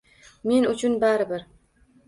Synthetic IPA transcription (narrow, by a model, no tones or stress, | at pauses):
me̞nʊt͡ʃʰʊnbaɾɪbɪɾ